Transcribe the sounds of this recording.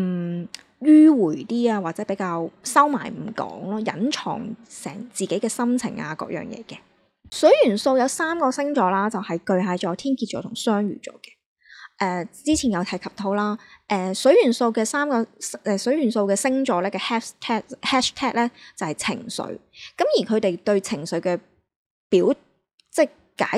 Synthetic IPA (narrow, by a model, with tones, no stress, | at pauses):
m̩˨˩ | jyː˥wuː˨˩jt̪iː˥aː˧waː˨t͡sɛː˨˥pe˨˥jkaː˧wsɐ˥wma̰ː˨˩jm̩˨˩kɔ̰ː˨˥ŋlɔː˥jɐ̰˨˥nt͡ʃʰɔ̰ː˨˩ŋsɛː˨˩ŋt͡siː˨ke˨˥jkɛː˧sɐ˥mt͡sʰɪ̰˨˩ŋa̰ː˧kɔ̰ː˧˥jœ̰ː˨˩ŋjɛ̰ː˨˧kɛ˧ | sɵ˨˥ɥjyː˨˩nso˧wjɐ˨˧wsaː˥mkɔː˧sɪ˥ŋt͡ʃɔː˨˧laː˥t͡sɐ˨whɐ˨jkɵ˧ɥɦaː˨˧jt͡ʃɔː˨˧jt̪ʰiː˥nkʰi˧t̚t͡ʃɔː˨˥t̪ʰʊ˨˩ŋsœː˥ŋɥy̰ː˨˩t͡sɔ̰ː˨˧˥kɛ̥˧ | ʔɛː˧t͡siː˥t͡sʰiː˨˩jɐ˨˧wt̪ʰɐ˨˥jkʰɐ˨p̚t̪ʰo˨˥wlaː˥ʔɛː˨˧sɵ˨˥ɥjyː˨˩nso˧wkɛː˧saː˥mkɔː˧sʔɛː˧˩sɵ˨˥ɥyː˨˩nso˧wkɛː˧sɪ˥ŋt͡ʃɔː˨˧˥lɛː˥kɛː˧hɛː˥ʃt̪ʰɛː˥hɛː˥ʃt̪ʰɛː˥k̚lɛː˥t͡sɐ˨whɐ˨jt͡sʰɪ̰˨˩ŋsɵ̰˨˧˥ɥkɐ˨˥mjiː˨˩kʰɵ˨˧ɥt̪e˨jt̪ɵ˧ɥt͡sʰɪ˨˩ŋsɵ˨˧ɥkɛː˧ | piː˨˥w | t͡sɛ˥˩ | kaː˨˥